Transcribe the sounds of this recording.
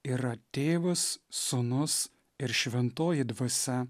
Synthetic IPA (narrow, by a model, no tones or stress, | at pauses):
iːɾɐt̪ʲeːʋʊsːʊnʊs | ɪɾʃʲʋʲɛnt̪oːjɪd̪ʋɐsʲɛ